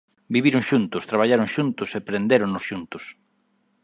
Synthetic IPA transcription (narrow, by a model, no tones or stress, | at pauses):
biβiɾʊŋʃunt̪ʊst̪ɾaβ̞aʎaɾoŋʃunt̪ʊsepɾend̪eɾoŋnʊsʃunt̪ʊs